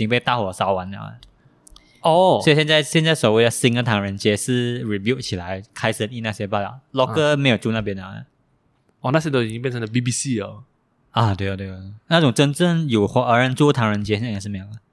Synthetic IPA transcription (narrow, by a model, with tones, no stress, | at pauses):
t͡ɕi˧ŋpe˥˧ɪt̪a˥˩xwɔ˨˩sa˧˥ʊwa˧˦nə˨˩a̰˥˦ə̰˨˩ | ɔ˥˩wɔ˧˥i˨˩ɕjnt͡sa˥˩ɪɕjɛ˥˧nt͡sa˥˩ɪswɔ˨˩we˥˩ɪə˩si˥ŋə˧t̪ʰɑ˧˥ŋɻə˧˥nt͡ɕjɛ˧˥ʂɻ̩˥˩ɹi˨˩bju˥˩ʊt͡ɕʰi˨˩la˧˦ɪkʰa˥ɪʂə˥˧ni˥˧na˥˧˩ɕjɛ˥˧pa˥˧d̪ɑ̰˨˩ʊlɔ˧˥kə˥˧me˧˥jo˨˩ʈ͡ʂu˥˧na˥˧p̬jɛ˥nə˨a˨˧˦ə̰˩ | ɔ˥˧˨na˥˩ɕjɛ˥t̪o˥ʊi˨˩t͡ɕĩ˥˦ŋpjɛ˥˩nʈ͡ʂʰŋd̪ə˧bi˧bi˧si˥˩ə˩ | a˨˩t̪we˥˩˨t̪we˥˩˧na˥˩ʈ͡ʂʊ˨˩ŋʈ͡ʂə˥nʈ͡ʂə˥˩njo˨˩xwɔ˧˥ʔə˧˥ɻə˧˦nt͡su˥˧˦t̪ʰɑ˧˥ŋɻə˧˦nt͡ɕjɛ˥ɕɛ˥˨˩ʂ̬ɻ̩˥˩m˧˥jʊ˨˩ə˨˩˦